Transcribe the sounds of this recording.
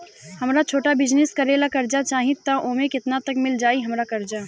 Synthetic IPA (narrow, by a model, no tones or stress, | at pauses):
həmɾat͡ʃʰoːʈabɪd͡ʒneskəɾelakəɾd͡ʒat͡ʃaːɦĩt̪ːəʔomẽkɪt̪nat̪əkmɪld͡ʒaːiɦəmɾakəɾd͡ʒa